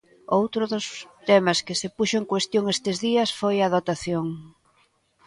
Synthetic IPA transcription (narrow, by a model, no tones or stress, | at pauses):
owt̪ɾʊðʊst̪ɛmɐskɪsepuʃʊeŋkwest̪joŋest̪ɪzðiɐsfojaðot̪aθjoŋ